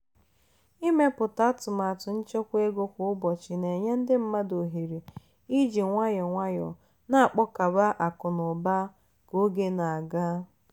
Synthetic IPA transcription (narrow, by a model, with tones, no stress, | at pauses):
i˦me˦pʊ˨ta˦a˦tʊ˨ma˨a˨tʊ˨n̩˦t͡ʃe˦kʷe˦ɡo˦kʷʊ˨ʊ˦bɔ˨t͡ʃɪ˨ne˨ɲe˦n̩˦dɪ˦m̩˦ma˦do˨ɦi˨ɾi˨ | i˦d͡ʒi˨ŋʷa˦jɔ˨ŋʷa˦jɔ̰˨ | na˦a˨k͡pɔ˦ka˨ba˦ʔa˨kʊ˨nʊ˨ba˦ | ko˦ɡe˦na˨a˨ɡa˦